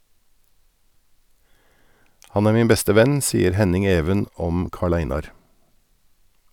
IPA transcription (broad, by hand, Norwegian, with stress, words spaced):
ˈhɑn ˈæːɾ ˈmiːn ˈbɛstə ˈʋɛn ˈsiːəɾ ˈhɛnɪŋ ˈeːʋən ˈɔm ˈkɑːˌɭæɪnɑɾ